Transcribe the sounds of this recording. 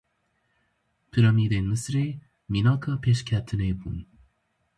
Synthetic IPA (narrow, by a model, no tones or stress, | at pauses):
pʰɯɾʌmid̪enmɨsɨɾe | minɑkʰapʰeɕkʲʰat̪ʰɨnebun